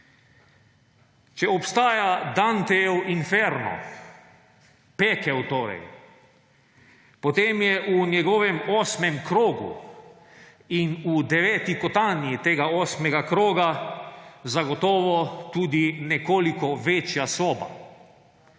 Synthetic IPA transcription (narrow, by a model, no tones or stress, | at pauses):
t͡ʃɛɔpst̪aːjad̪ant̪ɛɛwinfɛɾnɔ̰ | pɛkɛwt̪oːɾɛ̰j | pɔt̪eːmjɛʔunjɛɡɔːʋɛmɔːsmɛmkɾoːɡṵ | inud̪ɛʋɛːt̪ikɔt̪aːnjit̪eːɡaɔːsmɛɡakɾoːɡa | zaɡɔt̪ɔːʋɔt̪uːd̪inɛkoːlikɔʋet͡ʃjasoːba̰